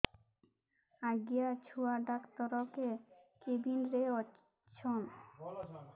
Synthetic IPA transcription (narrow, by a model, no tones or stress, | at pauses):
aɡijat͡ɕʰuaɖakt̪ɔɾɔkekebʱinɾeɔ | t͡ɕʰon